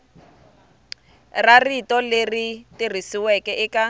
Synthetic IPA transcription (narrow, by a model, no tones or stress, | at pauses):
raritɔleritir̤isiwɛkɛʔɪka